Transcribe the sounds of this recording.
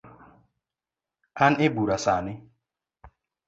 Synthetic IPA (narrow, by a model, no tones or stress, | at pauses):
anebuɾasanɪ